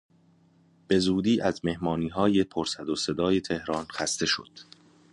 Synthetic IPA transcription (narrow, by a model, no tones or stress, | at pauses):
b̥e̞zuːd̪iːʔæzme̞hmɒːniːɦɒːje̞pʰoɾsæd̪ose̞d̪ɒːje̞t̪ʰe̞hɾɒːnxæst̪e̞ʃo̞̰d̪̥